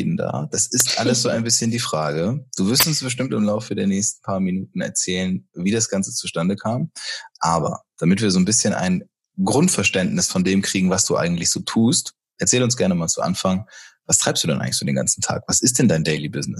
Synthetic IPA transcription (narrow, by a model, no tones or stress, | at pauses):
dn̩da̰ːd̥asɪstʔaləsz̥oːaɪnbɪsçəndiːfʁ̥aːɡəd̥uːvɪɐstʊnsb̥əʃ̬tɪmtɪmlaʊfədeːɐnɛːçstn̩pʰaːɐminuːtn̩ɛ̰ɐt͡sɛːlənviːdasɡ̥ant͡sə̥t͡suʃtandəkʰaːmʔaːbɐ̰d̥amɪtv̥iːɐzoːnbɪsçənʔa̰ɪn | ɡʁʊntfɛɐʃtɛntnɪsfɔndeːmkʁ̥iːɡŋ̩vasd̥uːʔa̰ɪɡŋ̩tlɪçz̥oːtʰuːst | ʔɛɐt͡sɛːlʊnsɡ̥ɛɐnəmaːlt͡suʔa̰nfaŋvastʰʁ̥aɪpstd̥uːdɛnʔaɪŋ̩lçfdyːɐdeːnŋɡa̰nt͡sn̩tʰa̰ːkv̥asɪst̚d̥ɛndaɪndɛɪlibɪznɪs